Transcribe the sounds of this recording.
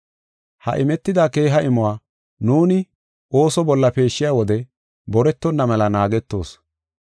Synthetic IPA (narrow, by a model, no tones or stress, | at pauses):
hɐ̰ʔɪmɛt̪ːɪd̪aːke̞ːɦɐʔɪmʊwaː | nuːnɪ | o̞ːsɔbɔlːɐpe̞ːʃːɪjaːwɔd̪ɛ | bɔɾɛt̪ːɔnːɐmɛlɐnaːɡɛt̪ːo̞̰ːs